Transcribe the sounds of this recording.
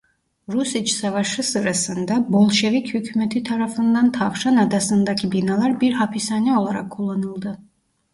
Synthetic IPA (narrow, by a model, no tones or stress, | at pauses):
ɾusit͡ʃsavaʃɯsɯɾasɯnd̪abo̞lˠʃe̞vɛchycʰymɛt̪ʰit̪ʰaɾafɯnd̪ant̪ʰavʃanad̪asɯnd̪acʰibinalˠaɾbiɾɦapʰisanio̞lˠaɾakʰːulˠːanɯlˠd̪ɯ